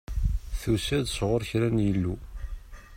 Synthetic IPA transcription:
θusæðsʁʊɾçɾænjəlːu

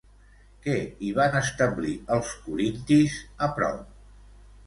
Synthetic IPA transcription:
kɛiβ̞anəst̪əbliəlˠskuɾint̪izəpɾɔ̰wp

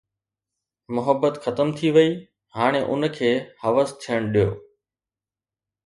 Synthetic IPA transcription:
mʊɦəbːət̪xɐt̪əmt̪ʰiʋɐiː | ɦaːɽ̃eʔʊ̰nkʰeːhɐʋəst̪ʰijəɽ̃ɗijo̰ː

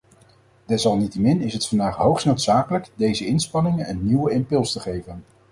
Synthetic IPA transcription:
d̥ɛsɑlˠnitəmɪnɪsɦətfɑndaːχɦowχsnowtsaːkələkdejzəɪnspɑnɪŋənɛnnːiwəɪmpɵlˠstəχejvən

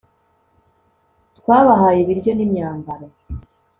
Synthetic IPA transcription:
tkwaːβaɦaːjiβiɾjo̞nimɲaːmbaɾa

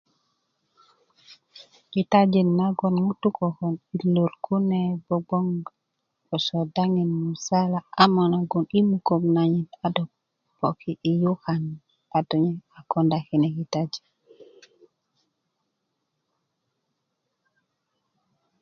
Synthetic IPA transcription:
kitad͡ʒenːaɡɔnŋutukɔkɔniloɾkunebɔɡ͡bɔŋ | kɔsodaŋinmusalaʔamonaɡɔnimukomnaɲitado | b̥okiʔijuhan | adɔɲeakɔndakinekitad͡ʒi̥

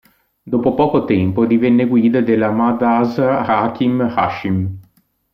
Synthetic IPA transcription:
d̪oːpopɔːkot̪ɛmpod̪ivɛnːeɡwiːd̪ad̪elːamad̪azɾakimhaʃːim

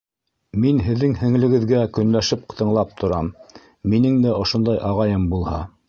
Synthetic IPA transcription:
minɦɘ̆ðːɘŋhɘ̆ŋlɘ̆ɡɘ̆ðɡækɵ̆nlæʃɘp̚qɤ̥̆t̪ɤ̆ɴlˠɑp̚t̪ʰŏɾɑmː | inɘŋd̪æʔŏʃŏnd̪ɑjʔɑʁɑjɤmbulˠhɑ

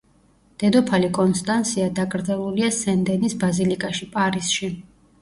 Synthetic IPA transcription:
d̪̥ɛd̪ɔpʰalikʼɔnst̪ʼant̪sʰiad̪aɡʼɾd̪zɛlˠuliasɛnd̪ɛnisbazilikʼaʃipʼaɾisʃi

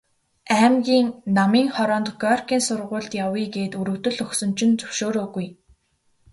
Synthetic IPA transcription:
æːmɡʲiːŋnamiːŋχɔɾɔːnt̪ɡɔrkʰiːnsʊrʁʊːɮt̪jawiːɡeːt̪uɾɵ̆wt̪ɵ̆ɮɵxsɵ̆mt͡ɕʰɪ̆nt͡sɵwʃoːɾoːɣuj

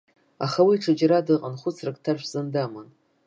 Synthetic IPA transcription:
aχawiːʈ͡ʂʰad͡ʒɾadɨqʼanχʷʊt͡sʰrakʼtʰaʃʷᶣz̥andaman

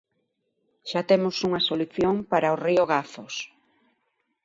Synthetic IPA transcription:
ʃat̪emʊsuŋɐsoluθjoŋpaɾaorioɣaθos

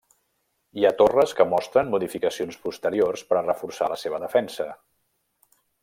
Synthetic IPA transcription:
iat̪orəskəmɔst̪ɾənmuðifikəsionspust̪əɾiorspəɾrəfursaləseβ̞əðəfɛnsə

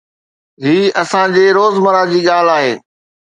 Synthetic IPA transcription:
ɦiːɐsãd͡ʑeːɾoːzməɾaːd͡ʑiːɠaːl̤aːɦḛː

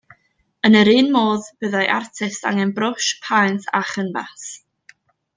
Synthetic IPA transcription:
ənəɾiːnmoːðb̥əðajʔartʰɪsta̰ŋɛnbrʊʃpʰajntʰaχənbas

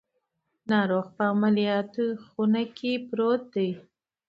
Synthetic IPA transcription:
nɑɾoɣpəamalijɑt̪uxunakʰipɾot̪̚d̪əj

